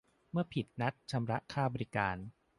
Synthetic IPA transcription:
mɯ˥˩ɐpʰi˨˩t̪̚na˦˥t̪̚t͡ɕʰa˧mɾa˦˥ʔkʰaː˥˩bɔː˧ɾi˦˥kaː˧n

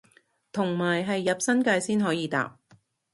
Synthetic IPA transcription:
t̪ʰʊ˨˩ŋmaː˨˩jɦɐ˨jːɐ˨p̚sɐ˥nkaː˧jsiː˥nɦɔː˨˥jiː˨˧t̪a̰ː˧˨p̚

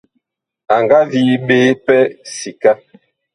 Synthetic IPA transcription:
a˨ŋɡa˦vi˨˦ɓeː˦pɛ˦si˨ka˦

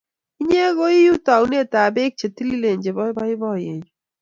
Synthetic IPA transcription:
i˦ɲe˦ɣo˦i˦ju˦ta˨wne˦˨ta˨be˦k̚t͡ʃe˨ti˦li˦le˨ɲd͡ʒe˨bɔ˦bɔ˦ɪ˦bɔ˦˨je˨ɲu˨

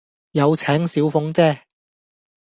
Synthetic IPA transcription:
jɐ˨˧wt͡sʰɛː˨˥ŋsiː˨˥wfʊ˧˥ŋt͡sɛː˥˩

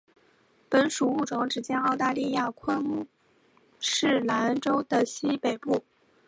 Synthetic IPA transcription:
pə˨˧˥nʂu˨˩u˥˩ʈ͡ʂwɑ˧˥ŋʈ͡ʂɻ̩˨˩t͡ɕjɛ˥nɑ˥˧ʊt̪a˥˧li˥˧ja˥˧kʰwə˥˧nmu˥˧ | ʂɻ̩˥˩la˧˥nʈ͡ʂo˥ʊd̪ə˨ɕi˥pe˨˩ɪpu˥˩

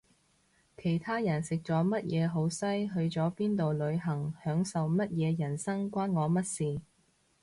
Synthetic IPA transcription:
kʰe˨˩jt̪ʰaː˥jɐ˨˩nsɪ˨k̚t͡sɔː˨˥mɐ˥t̚jɛː˨˧ɦo˨˥wsɐ˥jɦɵ˧ɥt͡sɔː˨˥piː˥nt̪o˨wlɵ˨˧ɥɦɐ˨˩ŋhœː˨˥ŋsɐ˨wmɐ˥t̚jɛː˨˧jɐ˨˩nsɐ˥ŋkʷaː˥nŋɔː˨˧mɐ˥t̚siː˨

